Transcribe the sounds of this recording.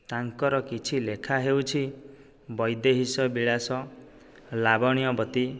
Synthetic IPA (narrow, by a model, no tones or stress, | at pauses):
t̪aŋkɔɾɔkit͡ʃʰilekʰaɦewt͡ʃʰi | bɔjd̪eɦisɔbiɭasɔ | labɔɽ̃ijɔbɔt̪i